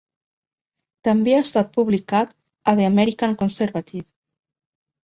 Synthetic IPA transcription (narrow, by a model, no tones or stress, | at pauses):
t̪əmbeaest̪at̪̚puβlikat̪ | əðeamɛɾikaŋkonseɾβat̪iw